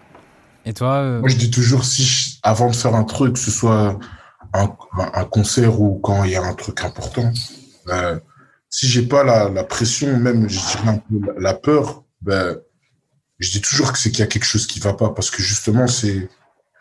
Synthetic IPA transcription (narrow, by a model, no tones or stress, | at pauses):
et̪wawaʒəd̪it̪̬uʒuʁsiavɑ̃d̪əfɛʁɛ̃t̪χykːə̥səswa | ɛ̃ɛʔɛ̃kɔ̃sɛʁukɑ̃iljaɛ̃t̪χykɛ̃pɔʁt̪ɑ̃ | ø | siʒɛpalalapχesjɔ̃mɛmʒəd̪iʁɛɛ̃pølalapœːʁ | ba | ʒəd̪it̪uʒuʁkə̥sɛkiljakʲɛlkə̥ʃozkʲivapapaʁsə̥kəʒyst̪əmɑ̃sɛ